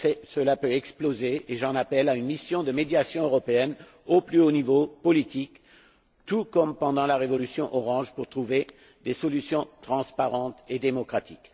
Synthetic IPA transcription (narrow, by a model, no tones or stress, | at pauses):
sɛsəlapøɛksplozeːʒɑ̃napɛlaynmisjɔ̃d̪əmed̪jasjɔ̃øʁɔpeɛn | oplyonivopɔlit̪ik | t̪ukɔmpɑ̃d̪ɑ̃laʁevɔlysjɔ̃ʔɔʁɑ̃ʒpuʁt̪χuve | d̪esɔlysjɔ̃t̪χɑ̃spaʁɑ̃t̪ed̪emɔkχat̪ik